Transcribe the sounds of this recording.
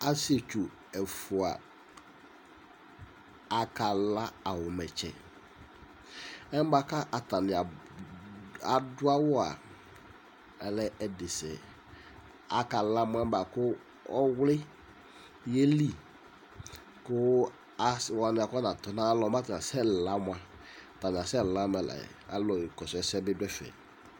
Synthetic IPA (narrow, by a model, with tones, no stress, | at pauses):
a˦si˦e˨t͡ʃu˨ | ɛ˨fʊ˨a̰˨ | a˨ka˨la˦a˨wʊ˨mɛ˨t͡ʃɛ̰˨ | ɛ˦m˦ba˨ka˦ʔa˨ta˨nɪ˨a˨ | a˨dʊ˦a˦wɔ˦a̰˨ | lɛ˦ɛ˨dɪ˨sɛ̰˨ | a˦ka˨la˦mʊ˦a˦ba˨kʊ˦ | ɔ˦wlɪ˦ | je˦li˦˨ | kʊ˦ | a˦swa˨nɪ˨a˨kna˨tɔ˨na˦lɔ˨ma˦tna˨sɛ˦˨la˦mʊ˦a˨ | ta˨nɪ˨a˨sɛ˦˨la˦mɛ˨la̰˨a̰˨lɔ˨kɔ˨sɛ˨˦sɛ˦bɪ˦dʊ˦ɛ˦fɛ̰˨